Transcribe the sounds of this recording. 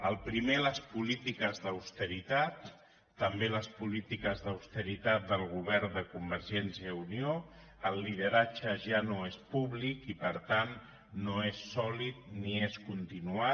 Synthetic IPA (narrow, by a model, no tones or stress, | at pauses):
əlˠpɾimeləspulit̪ikəzðəwst̪əɾit̪at̪ː | əmbeləspulit̪ikəzðəwst̪əɾit̪at̪̚d̪əlˠɣuβ̞ɛɾd̪əkumbəɾzɛnsiəunio | əlˠːið̞əɾat͡ʃəʒanoespuβlikipəɾt̪anː | oesɔlit̪̚nieskunt̪inua